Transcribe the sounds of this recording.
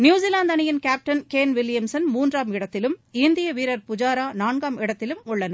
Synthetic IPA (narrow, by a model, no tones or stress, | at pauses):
njuːsɪlaːnd̪ɐnɪjɪnkaːp̚ʈɐnkeːnʋɪlɪjɐmsɐnmuːndraːmɪɽɐt̪ːɪlɯmɪnd̪ɪjɐʋiːɾɐɾpʊd͡ʒaːɾaːnaːɳɡaːmɪɽɐt̪ːɪlɯmʊɭːɐnɐ